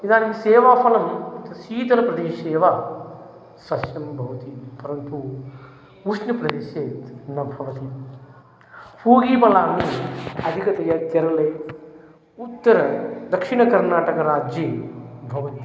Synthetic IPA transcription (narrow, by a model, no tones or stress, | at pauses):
id̪aːniseːʋaːpɐlɐmt̪ɐsiːt̪ɐlɐpɾɐd̪eːʃeːʋa | sɐsjɐmbʱɐʋɐt̪ipɐɾɐnt̪u | uʃnɐpɾɐd̪eːʃeːt̪nɐbʱɐʋɐt̪i | puːɡiːpɐlaːniɐd̪ʱikɐt̪ɐjɐk̪jɐɾɐlɐj | ut̪ːɐɾɐd̪ɐkʂiɳɐkɐɾnaːʈɐkɐɾaːd͡ʒibʱɐʋɐt̪i